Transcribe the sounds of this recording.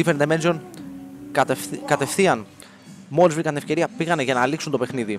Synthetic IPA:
ifeɾnemenzon | kɐt̪e̞fθiɐn | mo̞lizvɾikɐnt̪inefce̞ɾiɐpiɣɐneʝɐnɐːliksunt̪o̞pe̞xniði

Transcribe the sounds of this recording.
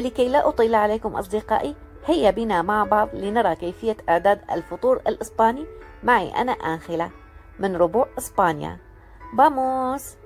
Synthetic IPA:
lɪkajlaʔʊt̪ˤiːlʕaleːkʊmʔɑ̰sˤd̪ɪqɑ̰ːʔi | hɪjːabinamaʕbɑʕðˤlɪnɑɾˤɑkajfɪjːaʔaʕd̪aːd̪a̰lfʊt̪ˤuːɾˤɪ̰lʔɪspaːnimaʕḭʔa̰naʔaːxɪla | mɪnɾʊbuːʕʔɪspaːnja̰ | bamuːs

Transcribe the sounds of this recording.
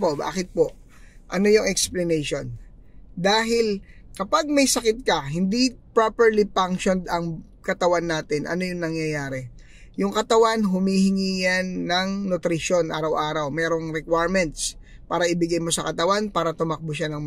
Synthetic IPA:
poba̰ːkɪt̪̚poʔ | ʔɐno̞jʊŋɛksplɐnɛjʃo̞n | d̪aːɦɪlkɐpaɡ̚mɐjsɐkɪt̪̚kɐɦɪnd̪ipɾapɛɹlipaŋʃo̞nd̪ɐŋ | kɐt̪ɐwanːaːt̪ɪnʔɐ̰no̞jʊŋnɐŋjɐjaːɾɛ | jʊŋkɐt̪ɐwanɦʊmihɪŋiːjɐnːɐŋnʊt̪ɾɪʃo̞nʔa̰ːɾɐwʔaːɾɐwmɛːɾo̞ŋɾɛkwajɹmɛnt̪̚s | paːɾɐʔɪbɪɡajmo̞sɐkɐt̪ɐwanpaːɾɐt̪ʊmɐk̚bʊʃanɐŋm

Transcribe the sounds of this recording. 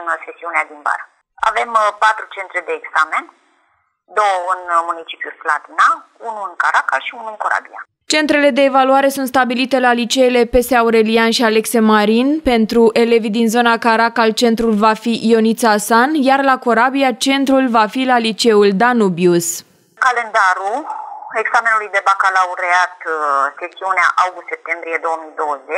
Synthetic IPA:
ɨnse̞siunead̪inba̰ɾa | a̰ve̞mpat̪ɾut͡ʃe̞nt̪ɾed̪e̞ːɡzame̞n | d̪o̞wəɨnmunit͡ʃi̥pʲjulslat̪ina | unuɨŋkaɾakalʃiunuɨŋkoɾa̰bia̰ | t͡ʃe̞nt̪ɾe̞le̞d̪e̞ːvaluaɾe̞sunt̪s̬t̪abilit̪e̞lalit͡ʃe̞jle̞pe̞seauɾe̞lianʃiale̞kse̞maɾinpe̞nt̪ɾuʔe̞le̞vid̪inzo̞nakaɾakalt͡ʃe̞nt̪ɾulvafiʔio̞nit̪saːsanjarlako̞ɾabiat͡ʃe̞nt̪ɾulvafilalit͡ʃe̞uld̪anubjus | kale̞nd̪aɾue̞ɡsame̞nulujd̪e̞bakalauɾeat̪se̞siunea̰ʔawɡust̪sep̚t̪embɾije̞d̪o̞wəmijd̪o̞wəze

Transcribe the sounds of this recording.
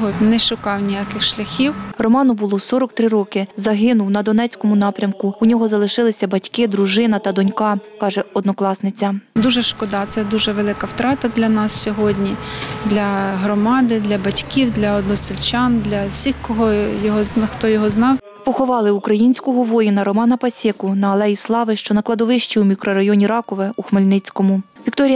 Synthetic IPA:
ɦɔt̪nɛʃʊkɑwnʲijakɪxʃlʲɐxʲiwrɔmɑnʊbʊlˠɔsɔɾɔkt̪ɾɪɾɔkɪzɐɦɪnʊwnɐd̪ɔnɛt͡sʲkɔmʊnɑpɾʲɐmkʊʊnʲɔɦɔzɐlˠɪʃɪlˠɪsʲɐbɐtʲkɪd̪ɾʊʒɪnɐt̪ɐd̪ɔnʲkɑkɑʒɛɔd̪nɔklˠɑsnɪt͡sʲɐd̪uʒɛʃkɔd̪ɑt̪sɛd̪uʒɛʋelˠɪkɐwt̪ɾɑt̪ɐd̪lʲɐnɑssʲɔɦɔdʲnʲid̪lʲɐɦɾɔmɑd̪ɪd̪lʲɐbɐtʲkʲiwd̪lʲɐɔd̪nɔsɪlʲt͡ʃɑnd̪lʲɐwsʲixkɔɦɔjɔɦɔznxt̪ɔjɔɦɔznɑw | pɔxɔʋɑlˠɪukɾɐjinʲsʲkɔɦɔʋɔjinɐɾɔmɑnɐpɐsʲɛkʊnɐːlˠɛjislˠɑʋɪʃt͡ʃɔnɐklˠɐd̪ɔʋɪʃt͡ʃiwmʲikɾɔɾɐjɔnʲiɾɑkɔʋɛuxmelʲnɪt͡sʲkɔmʊʋʲikt̪ɔɾʲijɐ

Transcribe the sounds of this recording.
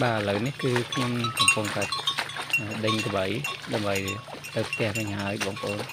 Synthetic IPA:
ɓaːʔələwnihkɨːkʰɲomkɑmpʊŋt̪aɛ | əːɗəɲkəɓəjɗaəmɓəj | t̪əwpʰt̪ɛ̆əhʋɨɲhaəjɓɑːŋpə̆ʔoːn

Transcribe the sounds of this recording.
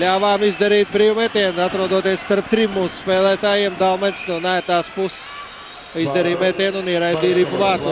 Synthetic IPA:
lʲaːʋaːmizd̪ɛɾiːt̪̚pɾiwumɛt̪ʲɛːnat̪ɾuɔd̪uɔt̪eɛsst̪aɾp̚t̪ɾimːuːsu̥spɛːlˠɛːt̪aːjiɛmd̪alˠmɛnʲsnuɔnæːɾt̪aːspuss | izd̪ɛɾiːmɛt̪ʲɛːnuniɛɾajd̪iːɾipvaːkk̪u

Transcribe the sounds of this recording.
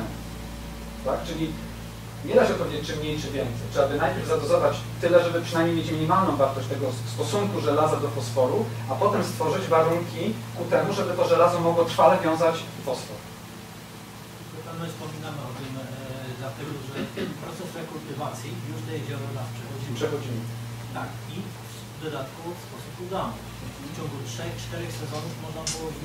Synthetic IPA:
t̪akt͡ʂɘlʲi | ɲɛd̪aɕɔt̪pɔvʲed͡ʑet͡ɕ̚t͡ʂɘmɲejt͡ʂɘvʲjɛnt̪sɛjt͡ʂɘabɘnajpʲjɛɾvzad̪ɔzɔvat͡ɕt̪ɘlɛʐɛbɘpʂɨnajmɲejmʲet͡ɕmʲiɲimalnɔ̃w̃vaɾt̪ɔɕt͡ɕt̪ɛɡɔst̪ɔsuŋkuʐɛlazad̪ɔpɔsfɔɾuapɔt̪ɛmst̪fɔʐɘd͡ʑvaɾuŋkʲikut̪ɛmuʐɛbɘt̪ɔʐɛlazɔmɔɡwɔt̪ɾfalɛvʲjɔ̃w̃zat͡ɕpɔsfɔɾ | mɛpɛvnɛspɔmʲinamɘɔt̪ɪmd̪lat̪ɛɡɔʐɛpɾɔt̪sɛsɾɛkult̪ɘvat̪sʲjijuʂd̪ɛjeʑɔɾɔnaspʂɛxɔd͡ʑipʂɛxɔd͡ʑimɘ | t̪ak | i | d̪ɔd̪at̪kufspɔsupud̪anɔ̰ | ft͡ɕɔŋɡutʂɛxt͡ʂt̪ɛɾɛxsɛzɔnufmɔʐnabɨwɔ

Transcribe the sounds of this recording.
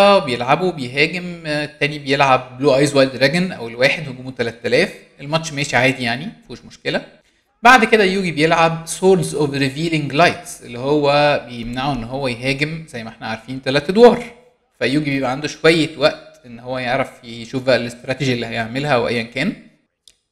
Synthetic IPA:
bejelʕabubejɦæːɡemet̪ːæːnibejelʕab̚ːluːʔɑjzwɑjld̪ɾˤæɡnʔæ̰welwæːħed̪hoɡoːmut̪ælæt̪ːælæːfʔelmæt͡ʃʃːmæjæːʃiʕaːd̪ijaʕnimæfuːʃmoʃkelæ | baʕd̪ked̪æjuːɡibejelʕabsoːɾd̪zʔovɾeviːleŋɡlɑjt̪sʔḛlːihowːæbejemnaʕuʔenːɦowːæjɦæːɡemzæjːmæʔeħnæʕaɾˤfiːnt̪ælæːt̪d̪wɑːɾˤ | fæjuːɡibejebʔæʕand̪oʃowæjːewæʔt̪ʔenːhowːæjeʕɾˤɑfjeʃuːfbæʔælest̪ɾˤɑt̪eʒilːihæjeʕmelhæʔæwʔæ̰jːænkæːn

